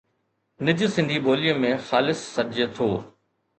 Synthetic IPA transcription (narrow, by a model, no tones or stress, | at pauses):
nɪd͡ʑsɪ̃nd̪ʱiɓoːlijə̃mẽxaːlɪsːɐɾd͡ʑet̪ʰoː